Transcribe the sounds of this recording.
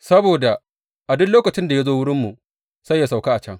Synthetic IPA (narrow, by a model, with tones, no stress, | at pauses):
sɐ˦boː˨da˨ | ʔa˨dʊ˦loː˦kɐ˨t͡ʃɪ˦nda˨ja˦zoː˦wʊ˦ɽɪ˦mːu˨ | sɐ˦jːa˨sa˨wka˦ʔa˨t͡ʃɐ˦ŋ